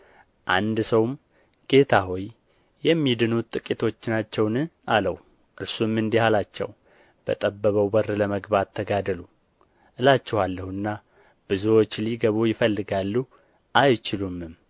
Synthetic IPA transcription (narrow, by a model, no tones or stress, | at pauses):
ʔand̪səwm | ɡ̥e̞t̪ʰaɦoj | jɛmːid̪ɨnut̪ʼːɨkʼit̪ʰo̞t͡ʃːɪnat͡ʃːɛwnɨaləw | ʔɨɾsumːɨnd̪ihalat͡ʃːɛ̰w | b̥ə̰t̪ʼəbːəβəwbərɨləməɡbat̪ʰːəɡad̪əlu | ʔɨlat͡ʃːɛhalːəhuɨnːa | b̥ɨzuwot͡ʃːliɡəβojɪfəlːɨɡalːu | ʔajt͡ʃɪlumːɨm